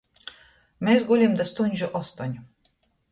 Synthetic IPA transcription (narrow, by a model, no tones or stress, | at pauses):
mesɡulʲimd̪ast̪unʲʒʊʔɔst̪ɔnʲ